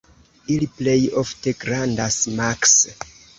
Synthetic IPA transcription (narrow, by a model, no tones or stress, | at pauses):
iliplejofteɡɾandasmaks